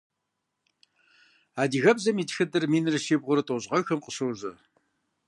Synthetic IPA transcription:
aːdiːɣɐbzɐmiːtxɨdɨrmiːnɨrɨʃeːbʁʷʊɾɨtʼoʑʁɐxɐmqəɕɨwʑɐ

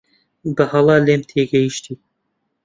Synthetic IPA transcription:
bɨhɑlˠɑːleːmt̪ʰeːɡɛjiʃt̪iː

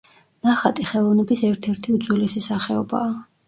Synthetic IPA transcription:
naχat̪ʼiχɛlˠɔvnɛbisɛɾt̪ʰɛɾt̪ʰiud̪zwilisisaχɛɔba̰ː

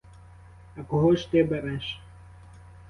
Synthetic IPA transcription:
ɐkɔɦɔʃt̪ɪbɛɾɛʃ

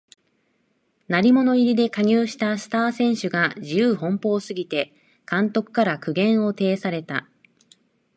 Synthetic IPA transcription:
naɾʲimo̞no̞iɾʲid̪e̞kaɲ̟ʲɨːɕi̥t̪asɨ̥t̪aːsẽ̞ɰ̃ɕɨɡaʑijɯːɦõ̞mpo̞ːsɨɡʲit̪e̞ | kãnt̪o̞kɯ̟̥kaɾakɯ̟ɡẽ̞ɰ̃o̞t̪e̞ːsaɾe̞t̪a̰

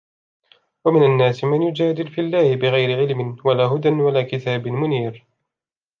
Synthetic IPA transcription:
wamɪnanːaːsɪmanjʊd͡ʒaːd̪ɪlfilːaːhɪbɪɣajɾɪʕɪlmɪnwalaːɦʊd̪anwalaːkɪt̪aːbmʊniːɾ

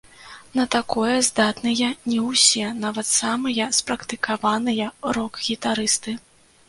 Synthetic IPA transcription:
nɐt̪akɔjɐzd̪at̪nɨjɐnʲɛwsʲɛnavɐt̪samɨjɐspɾɐkt̪ɨkavanɨjɐɾɔkɣʲit̪aɾɨst̪ɨ

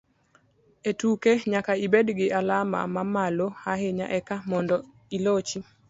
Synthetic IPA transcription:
etukeɲakaibedɡɪʔalama̰mamalohaɦeɲa̰ʔɛkamɔndɔ | ilot͡ʃi

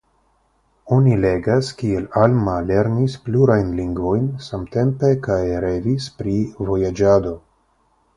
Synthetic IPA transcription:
o̞nile̞ɡaskielalmale̞ɾnispluɾajnliŋɡvo̞jnsamte̞mpe̞kajɾe̞vispɾivo̞jad͡ʒado̞

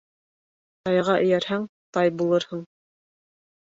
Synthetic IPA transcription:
t̪ɑjɑʁɑʔɵ̆jæɾhæŋt̪ɑjbulˠɤɾhɤɴ

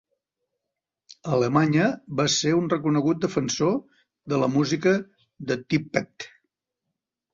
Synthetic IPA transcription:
ələmaɲəβaseunrəkunəɣut̪̚d̪əfənso | ðələmuzikə | ðət̪ipːɛt̪

